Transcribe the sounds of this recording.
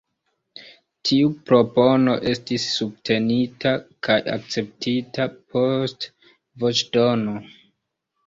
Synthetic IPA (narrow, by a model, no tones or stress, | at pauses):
tʰiupɾo̞po̞no̞ʔe̞stisːub̚tʰe̞nitakʰaja̰k̚t͡se̞p̚tʰitapʰo̞st | vot͡ʃdo̞no